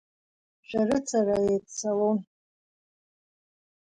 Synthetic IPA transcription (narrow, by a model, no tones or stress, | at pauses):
ʃʷᶣarɨt͡sʰaraetʼsalon